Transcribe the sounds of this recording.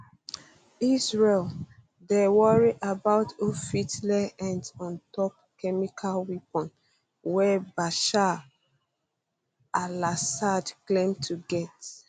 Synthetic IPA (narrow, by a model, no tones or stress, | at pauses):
isɹel | dewɔɹiʔabaʊtofitlɛɛ̃nɔ̃ntɔp̚kɛmikʰalwipɔ̃n | wɛbaʃa | alasadklẽmtʰuɡɛt